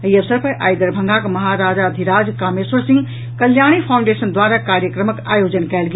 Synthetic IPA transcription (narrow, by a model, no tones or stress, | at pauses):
iəʋsəɾpəɾʔa̰ːjd̪əɾbʱə̃ŋɡakmɐɦaɾaːd͡ʒad̪ʱiɾaːd͡ʒkaːmeswəɾsĩŋɡ | kɐljaɽ̃ipʰaʊ̃ɳɖesənd̪waɾakaɾjəkɾəməkaːjod͡ʒənkɛːlɡ